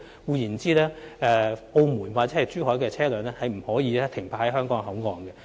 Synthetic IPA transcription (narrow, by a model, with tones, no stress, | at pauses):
wuː˨˧jiː˨˩nt͡siː˥lɛː˥ʔɛː˨˧po˧wmuː˨˩nwaː˨t̚t͡sɛ˨˥hɐ˨jt͡ʃyː˥hɔː˨˥jkɛː˧t͡sʰɛː˥lœː˨˧nɛː˥hɐ˨jm̩˨˩hɔː˨˥jiː˨˧lɛː˥t̪ʰɪ˨˩ŋpʰaː˧hɐ˨˥jɦœː˥ŋkɔː˨˥ŋɦɐ˨˥wŋɔː˨˧ŋɡɛ˧